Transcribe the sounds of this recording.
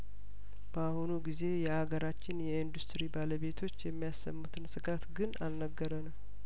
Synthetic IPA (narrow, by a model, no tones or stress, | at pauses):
b̥əahunuɡize̞jɛhaɡəɾat͡ʃːɪnjɛind̪ust̪ɾibaləβe̞t̪ʰo̞t͡ʃːjɛmːijasːə̰mːut̪ʰɨnsɨɡat̪ɡɨnalnəɡːəɾənəw